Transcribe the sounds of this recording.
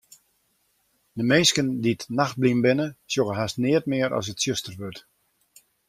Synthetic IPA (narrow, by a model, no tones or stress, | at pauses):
dəmeːskənditnaxt̚blimbɪnəsjoɣəɦastnɪət̚mɪəɾɔ̰s̬ətsjøstərʋøt